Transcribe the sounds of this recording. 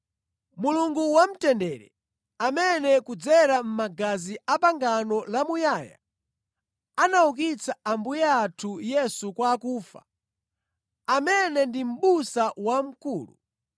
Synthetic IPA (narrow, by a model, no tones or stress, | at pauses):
muluŋɡuwam̩tɛndɛɾɛ̰ | amɛnɛkud͡zɛɾam̩maɡaziapaŋɡanɔlamujaːja̰ | anauk̬it͡sʰaambujɛatʰujɛsukwaːkuːfa̰ | amɛnɛndim̩ɓusawam̩kuːlṵ